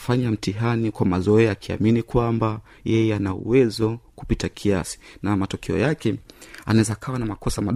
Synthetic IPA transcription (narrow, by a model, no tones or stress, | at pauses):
faɲam̩tiɦanikwamazɔɛakʰia̰minikwamba | jɛjɛanaṵwɛzɔku̥pitakʰiasi̥namatɔkʰɛɔ̰jakɛanaɛzaːkʰawanamakɔsamaɗ